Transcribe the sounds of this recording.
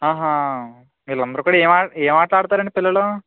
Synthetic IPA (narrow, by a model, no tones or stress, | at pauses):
ɦaːɦa | ʋiːlɐnd̪ɐɾɐkuːɽɐeːmaːeːmaːʈlaːɽut̪aːɾɐɳɖipilːɐɭo